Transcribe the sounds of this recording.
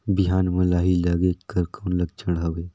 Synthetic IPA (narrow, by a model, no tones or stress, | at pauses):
biɦaːnmɐ̃laːɦilaɡeːkəɾkoːnləɡ̚t͡ʃʰəɽɦɐweː